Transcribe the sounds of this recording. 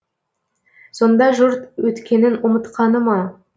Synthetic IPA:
so̞nd̪ɑʒʊɾt̪wɵt̪kʲe̞nɪnʊmət̪qɑnəmɑ

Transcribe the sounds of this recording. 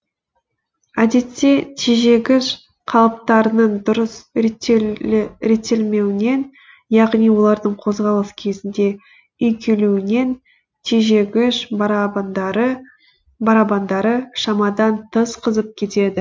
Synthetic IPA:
æd̪e̞t̪ːe̞t̪ʰiʒe̞ɡʲɪʃ | qʰɑlˠəp̚t̪ɑɾənəɴd̪ʊɾəs | ɾe̞t̪ːe̞lme̞wɪne̞n | jɑʁnijwo̞lˠɑɾd̪əɴqʰo̞zʁɑlˠəskʲʰe̞zɪnd̪e̞ | ʏjkʲʰe̞luwɪne̞n | t̪ʰiʒe̞ɡʲɪʃ | ɾə | bɑɾɑbɑnd̪ɑɾəʃɑmɑd̪ɑnt̪ʰəsqʰəzəp̚kʲʰe̞t̪e̞d̪ɪ

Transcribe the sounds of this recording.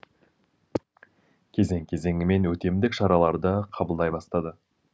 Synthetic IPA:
kʲʰe̞ze̞ŋkʲʰe̞ze̞ŋʲɪme̞nwɵt̪e̞md̪ɪkʃɑɾɑlˠɑɾd̪əqʰɑbəlˠd̪ɑjbɑst̪ɑd̪ə

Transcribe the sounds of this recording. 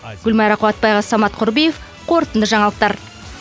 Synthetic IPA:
ɡ̥ʲʏlmɑjɾɑqʰʊɑt̪̚pɑjʁɑsɑmɑt̪qʰʊɾbijef | qʰo̞ɾt̪ənd̪əʒɑɴɑlˠəq̚t̪ɑɾ

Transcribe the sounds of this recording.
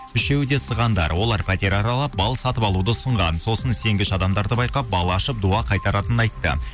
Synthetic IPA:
ʏʃe̞wd̪e̞səʁɑnd̪ɑ̰ɾwo̞lˠɑɾpʰæt̪e̞ɾɑɾɑlˠɑp̚bɑlˠsɑt̪əpɑlˠud̪əʊsəɴʁɑnso̞sənse̞ŋɡʲɪʃɑd̪ɑmd̪ɑɾd̪əbɑjqɑp̚bɑlˠɑːʃəp̚d̪uɑqʰɑjt̪ɑɾɑt̪ənənɑjt̪ːə̰

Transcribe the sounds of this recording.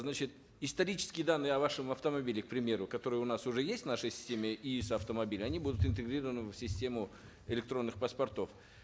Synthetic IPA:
znat͡ɕɪt̪ | ɪst̪ɐɾʲit͡ɕɪ̥skʲɪjd̪anːɨjɪɐvaʂɨmɐft̪əmɐbʲilʲɪk̚pɾʲɪmʲe̞ɾʊkɐt̪o̞ɾɨjəʊnasʊʐɛjesʲtʲvnaʂəjsʲɪ̥sʲtʲemʲɪʔisɐft̪əmɐbʲilʲɪɐnʲibud̪ʊt̪ɪnt̪ɨɡɾʲiɾəvənɨfʲsʲɪsʲtʲe̞mʊ | ɪlʲɪk̚t̪ɾo̞nːɨxpɐspɐrt̪o̞f

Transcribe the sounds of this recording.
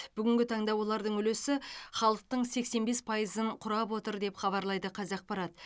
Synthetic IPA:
b̥ʏɡʲɪŋʲɡʲɪt̪ʰɑɴd̪ɑwo̞lˠɑɾd̪əɴʏle̞sɪχɑlˠəq̚t̪əɴse̞kse̞nbe̞spʰɑjəzəɴqʰʊɾɑpwo̞t̪əɾd̪e̞pχɑβɑɾlˠɑjd̪əqʰɑzɑq̚pɑɾɑt̪

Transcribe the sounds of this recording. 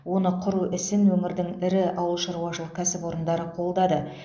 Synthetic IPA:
wo̞nəqʰʊɾuʔɪsɪnwɵmɪɾd̪ɪŋɪɾɪɑwəlˠʃɑɾuwɑʃəlˠəq̚kʲʰæsɪpo̞ɾənd̪ɑɾəqʰo̞lˠd̪ɑd̪ə

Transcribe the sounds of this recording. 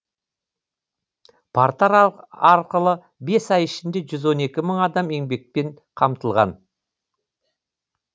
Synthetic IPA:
pʰaɾt̪aɾɑɾqəlˠə | be̞sɑjɪʃɪnd̪e̞ʒʏzwo̞ne̞kʲɪməɴɑd̪ɑme̞ŋbe̞k̚pe̞ɴ | qʰɑmt̪əlˠʁɑ̰n

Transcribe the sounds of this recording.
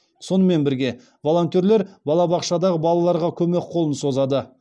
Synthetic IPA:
so̞nəme̞nbɪɾɡʲe̞ | vo̞lˠo̞nt̪ʲeɾle̞ɾbɑlˠɑbɑqʃɑd̪ɑʁəbɑlˠɑlˠɑɾʁɑkʲʰɵme̞kqʰo̞lˠənso̞zɑd̪ə

